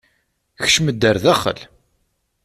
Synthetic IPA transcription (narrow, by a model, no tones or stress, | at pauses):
çʃməd̪ːəɾðæχə̰l